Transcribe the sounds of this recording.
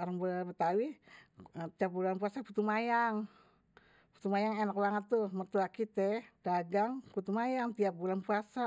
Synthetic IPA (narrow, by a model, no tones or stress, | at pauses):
oɾaŋbəlbət̪awi | t̪iap̚bulanpuasaput̪umajaŋ | pu̥t̪umajaŋenakbaŋət̪ːuhmərt̪uakit̪ɛd̥aɡaŋput̪umajaŋt̪iap̚bulanpuasa